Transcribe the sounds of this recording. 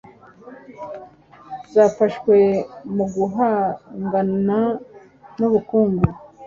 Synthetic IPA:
zaːfaʃwe̞muɡuɦaŋɡana | nuβukuːŋɡu

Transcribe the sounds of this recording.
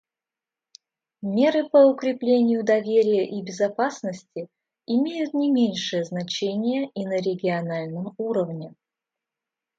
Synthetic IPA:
mʲe̞ɾɨpəʊkɾʲɪplʲenʲɪjʊd̪ɐvʲeɾʲɪjəʔibʲɪzɐpasnəsʲtʲɪ | ɪmʲejʊt̪nʲɪmʲenʲʂɨjəznɐt͡ɕenʲɪjəʔinəɾʲɪɡʲɪɐnalʲnəmuɾəvnʲɪ

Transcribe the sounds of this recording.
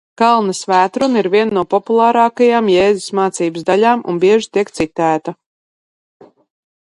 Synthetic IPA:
kalˠnɐsvæːt̪ɾuniɾviɛnnːuɔpɔpulˠaːɾɑːkajaːmjɛːzusmaːt̪siːbəszd̪aʎʲaːmʔṵnbiɛʒit̪iɛkt̪sit̪æːt̪ɐ

